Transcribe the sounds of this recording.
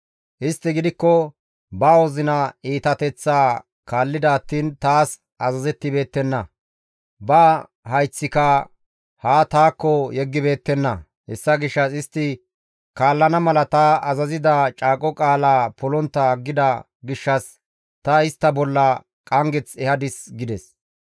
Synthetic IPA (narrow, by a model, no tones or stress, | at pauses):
ʔɪst̪ːɪɡɪd̪ɪkːɔ | bawɔzɪnɐiːt̪ɐt̪ɛt͡sːaː | kaːlːɪd̪ɐːt̪ːiːnt̪aːs | ɐzɐzɛt̪ːɪbe̞ːt̪ːɛnːɐ | bɐ | hɐjt͡sːɪkɐ | haːt̪aːkːɔjɛɡːɪbe̞ːt̪ːɛnːɐ | hɛsːɐɡɪʃːɐsɪst̪ːɪ | kaːlːɐnɐmɐlɐt̪ɐɐzɐzɪd̪ɐt͡ʃʼaːkʼɔkʼaːlaːpɔlɔnt̪ːɐɡːɪd̪ɐ | ɡɪʃːɐs | t̪ɐɪst̪ːɐbɔlːɐ | kʼɐŋɡɛt͡sɛhɐd̪ɪsɡɪd̪ɛs